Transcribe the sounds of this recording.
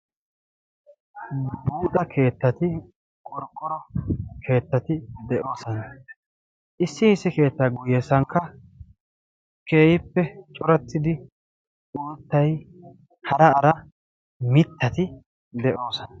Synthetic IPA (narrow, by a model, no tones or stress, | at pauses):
buːt̪ʼɐkʰe̞ːt̪ːɐt̪ɪ | kʼɔɾkʼːɔɾɔkʰe̞ːt̪ːɐt̪ɪd̪ɛʔo̞ːsɔnɐ | ʔɪsːɪhɪsːɪke̞ːt̪ːɐɡʊjɛsɐŋkːɐ | ke̞ːjɪpːɛt͡ʃʼɔɾɐt̪ːɪd̪ɪ | uːt̪ːɐj | hɐɾɐːɾɐ | mɪt̪ːɐt̪ɪ | d̪ɛʔo̞ːsɔnɐ